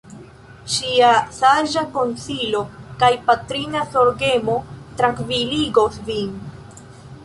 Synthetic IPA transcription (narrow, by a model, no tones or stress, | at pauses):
ʃiasaʒako̞nsilo̞kajpatɾinaso̞ɾɡemo̞tɾaŋkviliɡosvin